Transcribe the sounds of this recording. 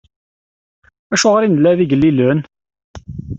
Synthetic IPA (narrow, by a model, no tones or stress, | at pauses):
æʃoʁɑɾɪnlævɪɡəliløːn